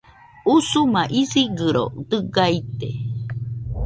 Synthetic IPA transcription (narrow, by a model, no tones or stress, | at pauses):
usumaʔisiɡɨɾo̰t̪ɨɡait̪ḛ